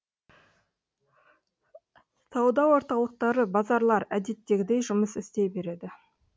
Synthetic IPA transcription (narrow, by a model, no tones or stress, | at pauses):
sɑwd̪ɑwo̞ɾt̪ɑlˠəq̚t̪ɑɾəbɑzɑɾlˠɑɾæd̪e̞t̪ːe̞ɡʲɪd̪e̞jʒʊməsɪst̪e̞be̞ɾe̞d̪ɪ